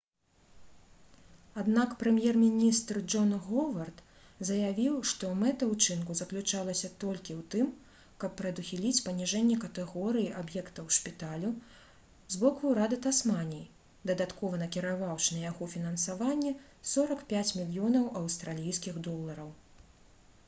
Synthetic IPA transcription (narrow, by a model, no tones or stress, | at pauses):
ad̪nakpɾɛmʲjɛrmʲinʲist̪rd͡ʐɔnɣɔvɐrt̪ | zɐjavʲiwʂt̪ɔmɛt̪ɐwt͡ʂɨnkuzɐklʲut͡ʂalˠɐsʲɐt̪ɔlʲkʲiwt̪ɨm | kɐpːɾɐd̪uxʲilʲit͡sʲpɐnʲiʐɛnʲːɛkɐt̪ɛɣɔɾɨjiʔabjɛkt̪ɐwʂpʲit̪alʲu | zbɔkuɾad̪ɨt̪asmanʲij | d̪ɐd̪at̪kɔvɐnɐkʲiɾavawʂɨnɐjaɣɔfʲinɐnsavanʲːɛ | sɔɾɐkpʲat͡sʲmʲilʲjɔnɐwʔɐwst̪ɾalʲijskʲiɣd̪ɔlˠːɐɾɐw